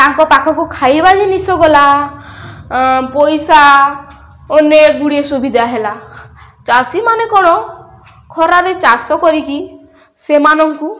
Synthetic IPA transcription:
t̪aŋkɔpakʰɔkukʰajbalinisɔɡɔla | pɔjsa | oneɡuɽiesubʱid̪ʱaɦela | t͡ʃasimanekɔɽ̃ɔ | kʰɔɾaɾet͡ʃasɔkɔɾiki | semanɔŋku

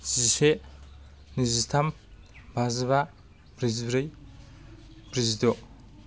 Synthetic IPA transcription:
d͡ʒise | nizist̪ʰam | bʱazβa | bɾizibɾɯj | bɾizidɔ

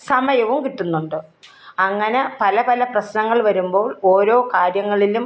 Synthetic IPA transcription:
sɐmɐjɐʋumkiʈːunːuɳɖɨ | ɐŋːɐnepɐlɐpɐlɐprɐɕnɐŋːɐɭʋɐɾumbo̞ːɭoːɾo̞ːkaːɾjɐŋːɐɭilum

